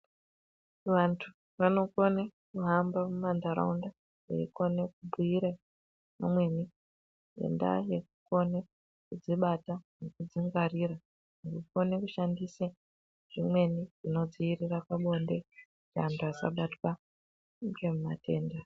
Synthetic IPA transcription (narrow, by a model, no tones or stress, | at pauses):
ʋantʰu | ʋano̞ko̞nekuɦambamumandaɾa̰unda | ḛiko̞nekubʱuiɾa | na̰mwe̞ni | jḛnda̰jekuko̞ne | kud͡ziɓatanekud͡ziŋɡariɾa | nɡuko̞nekuʃandisa | ʐ̥imwe̞niʐino̞d͡ziːrirakaɓo̞nde | t͡ʃaantʰuasa̰ɓatwa | ŋɡemumatʰe̞ːnda